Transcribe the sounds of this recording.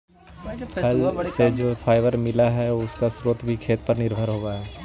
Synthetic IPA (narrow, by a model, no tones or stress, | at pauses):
ɐlsed͡ʒoːpʰaːɪʋəɾmɪlaɦɛʊskasɾoːt̪bʱikʰeːt̪̚pɐɾnɪɾbʱəɾɦoːɡaɦɛː